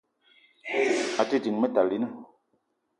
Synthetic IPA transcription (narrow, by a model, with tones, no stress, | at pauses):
a˨ti˦˨d͡ʒi˨ŋmə˦ta˨li˦nə˦